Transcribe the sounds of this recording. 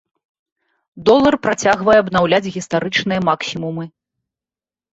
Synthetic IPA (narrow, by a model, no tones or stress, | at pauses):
d̪ɔlˠːɐrpɾat͡sʲaɣvɐjɛːbnawlʲad͡zʲɣʲist̪aɾɨt͡ʂnɨjɐmaksʲimumɨ